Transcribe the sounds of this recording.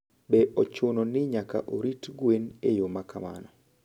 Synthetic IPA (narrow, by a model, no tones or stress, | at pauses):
bɛʔɔt͡ʃʊnɔnɪɲaka̰ʔoɾitɡwenejomakama̰nɔ